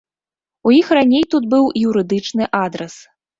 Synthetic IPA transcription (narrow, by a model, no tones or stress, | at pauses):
ujixranʲejt̪ud̪bɨwjuɾɨd̪ɨt͡ʂnɨʔad̪ɾɛs